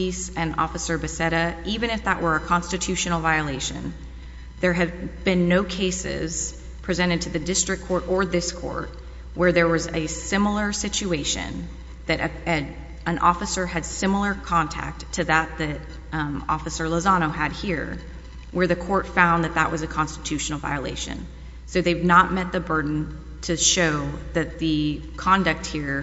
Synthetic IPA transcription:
isɨ̃nɔ̰fɨsə˞bɨsɛɾɨʔivɨ̃ɾ̃ɨfðəʔwʔə˞ɨkʰɑ̃nstɨtʰʉʃɨnl̩ˠvaɪɨleɪʃɨ̰̃n | ðə˞ɨvbɨ̃nːoʊkʰeɪsɪ̰z̥ | pʰɹ̥izɛ̃ɾ̃ɨd̚tʰɨðɨdɪstɹ̥ɨk̚kʰɔɹɾə˞ðɪskʰɔ̰ɹt̚ | wə˞ðə˞wʌzɨsɪ̃ml̩ˠə˞sɪt͡ʃʉeɪʃɨ̰̃n | ðɨɾʔɨ | ə̃nʔɔfɨsə˞ɨd̥sɪ̃ml̩ˠə˞kʰɑ̃ntʰæ̰k̚tʰɨðɨt̪̚ðɨɾ | ɔ̰fɨsə˞ləzɑñoʊɨd̚hiɹ | wə˞ðɨkʰɔɹtfãʊ̃nðɨt̪̚ðə̰ʔwʌzɨkʰɑ̃nstɨtʰʉʃn̩l̩ˠva̰ɪɨlḛɪʃɨ̰̃n | soʊðeɪvnət̚mɛt̪̚ðɨbɜ˞dⁿn̩ | tʰɨʃoʊðɨt̪̚ðɨkʰɑ̃ndɨk̚t̚hiɹ

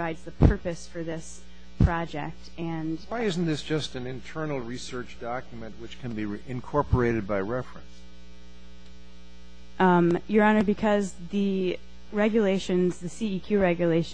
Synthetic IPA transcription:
aɪdzðɨpʰɜ˞pɨsfə˞ðɪs | pʰɹ̥ɑd͡ʒɛ̰k̚tɨ̃nwaɪɪzn̩ðɪsd̥ʒ̥ʌstɨ̃nɨ̃ntʰɜ˞nl̩ˠɹisɜ˞t͡ʃd̥ɑkjɨmɨ̃nʔ̚wɨt͡ʃkʰɨ̃nbiɪ̃nkʰɔɹpə˞eɪɾɨd̚baɪɹɛfɹɨ̰̃ns | jə˞ɑnə˞bɨkʰʌzðɨ | ɹɛɡjɨleɪʃɨ̃nzðɨsiikʰj̥ʉɹɛɡjɨleɪʃ

